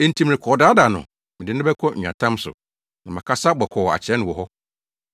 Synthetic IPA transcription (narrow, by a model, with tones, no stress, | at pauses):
ẽ˦n̩˦tʰi˦mɪ̃˨ɪ̃˨kʰɔː˨daː˦da˨nʊ̰̃˨ | mɪ̃˨dɪ˦nʊ̃˦bɛ˦kʰɔ̃˦ɲ̩ᶣ˨ã̰˨tʰã˦msʊ̰˨ | nã˨mã˨kʰa˦sa˦bɔ˨kʰɔ˨a̰˨t͡ɕʰɛ˨˦nʊ̃˨wɔ˨ɦɔ˦